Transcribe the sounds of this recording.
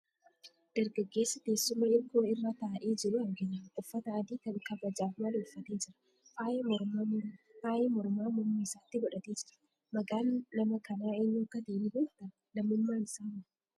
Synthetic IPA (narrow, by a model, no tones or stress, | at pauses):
d̪̥ɐɾɡɐɡːe̞ːsːɐd̪e̞ːsːʊmɐɪɾkoːɪrːaːt̪aːʔeːd͡ʒɪɾʊɐŋɡɐjɐʊfːɐt̪ɐɐd̪iːkɐnkɐbɐd͡ʒaːfmɐlʊfːɐt̪e̞ːd͡ʒɪɾɐ̥ | faːjɛmɔɾmafaːjemɔɾmaːmʊmːiɪsaːt̪ːɪbɔᶑɐt̪eːd͡ʒɪɾɐ | mɐɡaːnːɐmɐkɐnaːeːɲːoːkːɐt̪eːnɪbuːt̪ɐ | lɐmɪmːaːnɪsaːm